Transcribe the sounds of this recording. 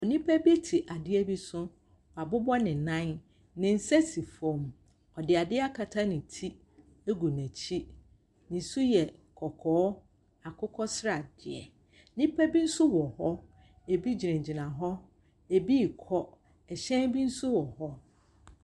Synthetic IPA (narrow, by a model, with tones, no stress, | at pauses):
ɔ˨nĩ˦pʰæ˦bi˦tʰi˨ʔa˨dɪ˦ɛ˦bi˦sʊ̃˦ | ɔ˨a˨bʊ˦bɔ˦nɪ̃˨nã˦n | nɪ̃˨n̩˦sɛ˦si˨fõ˨m | ɔ˨dɪ˨a˨dɪ˦a˦kʰa˨tʰa˦nɪ̃˨tʰi˦ | e˦ɡu˨næ̃˨t͡ɕʰi˦ | nĩ˨su˦jɛ˨kʰɔ˨kʰɔː˨˦ | a˨kʰʊ˦kʰɔ˦sɾa˨d̥ɪ˨ɛ̰˨˦ | nĩ˦pʰæ˦bi˦n̩˦sʊ˦wɔ˨hɔ˦ | e˨bi˦d͡ʑi˨ɾɛ̃˨d͡ʑi˨nã˨ɦɔ˦ | e˨bi˦˨kʰɔ˦ | ɛ˨ɕɛ̃˦n˦bi˦n̩˦sʊ˦wɔ˨hɔ˦